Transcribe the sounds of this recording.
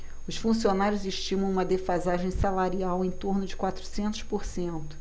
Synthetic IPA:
ʊsfũsionaɾjʊzɪʃt͡ʃĩmɐ̃w̃ũmɐd̪efazaʒẽj̃salaɾiawẽj̃t̪oɾnʊd͡ʒɪkwat̪ɾusẽnt̪ʊʃpoɾsẽnt̪ʊ̥

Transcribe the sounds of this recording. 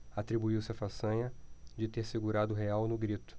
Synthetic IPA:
at̪ɾibuiwsɪɐfasɐ̃ɲɐd͡ʒɪt̪eɾseɡuɾad̪ʊɦeawnʊɡɾit̪ʊ̥

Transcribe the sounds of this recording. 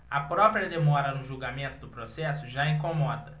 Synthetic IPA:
ɐpɾɔpɾjɐd̪emɔɾɐnʊʒuɡamẽnt̪ʊd̪ʊpɾosɛsʊʒaĩŋkomɔd̪ɐ

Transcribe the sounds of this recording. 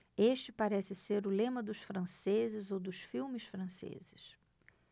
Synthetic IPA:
eʃt͡ʃɪpaɾɛsɪseɾʊlẽmɐd̪ʊʃfɾɐ̃sezɪzowd̪ʊsfiwmɪsfɾɐ̃sḛzɪs

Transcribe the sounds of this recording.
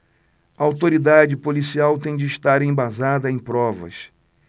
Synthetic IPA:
ɐawt̪oɾid̪ad͡ʒɪpolisiawt̪ẽj̃d͡ʒɪːʃt̪aɾẽj̃bazad̪ɐẽj̃pɾɔvɐ̰s

